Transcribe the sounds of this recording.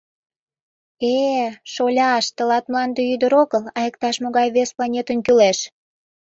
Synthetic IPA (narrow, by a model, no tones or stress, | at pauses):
eʃolʲɑʃt̪əlɑt̪mlɑnd̪ejyd̪əɾoɣəlɑjək̚t̪ɑʃmoɣɑjβesplɑnʲet̪ənkyleʃ